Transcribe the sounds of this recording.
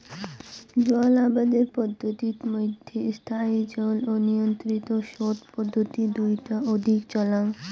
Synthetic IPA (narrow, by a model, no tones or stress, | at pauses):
d͡ʑoalabad̪eɾpɔd̪ʱːot̪it̪mɔd̪ʱjest̪ʰaid͡ʒɔlonijont̪ɾit̪oʃot̪pɔd̪ʱːot̪id̪ujʈaod̪ʱikt͡ɕɔlaŋ